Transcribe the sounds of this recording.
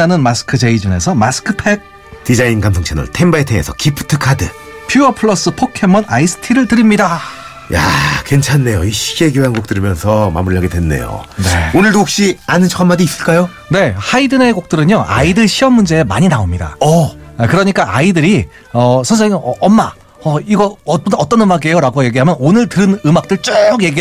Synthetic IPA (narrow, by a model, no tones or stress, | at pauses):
anɯnmasʰɯ̥kʰɯd͡ʑe̞id͡ʑune̞sʰʌmas͈ʰɯ̥kʰɯpʰe̞ɡ̚ | tid͡ʑainɡamsʰoŋt͡ɕʰanɯ̰ɭtʰe̞mbaetʰeŋe̞̰sʰʌkipʰɯ̥tʰɯkʰadɯ̰ | pʰjuʌpʰɯɭʌs͈ɯpʰokʰe̞mʌnaisʰɯ̥tʰiɾɯɭtɯɾimɲida | ja̰ke̞nt͡ɕʰanːe̞joiɕ͈iɡeɡjoɦanɡok̚t͈ɯɾimjʌnsʰʌma̰muɾiɭɦaɡedwe̞nːe̞̰jo̰ne̞onɯɭdook̚ɕ͈ianɯnt͡ɕʰo̥kʰanmadiːs͈ɯɭk͈ajo | ne̞haidɯne̞ɡok̚t͈ɯɾɯɲoa̰idɯɭɕʰiʌmːund͡ʑe̞ema̰ɲinaomɲida̰ʌkɯɾʌɲik͈aʔaidɯɾi | ʌsʰʌnsʰeŋʌmːa | ʌiɡʌʌt͈ʌnɯmaɡe̞joɾaɡoje̞ɡiɦamjʌnonɯɭtɯɯnɯmak̚t͈ɯɭt͡ɕ͈oɡje̞ɡi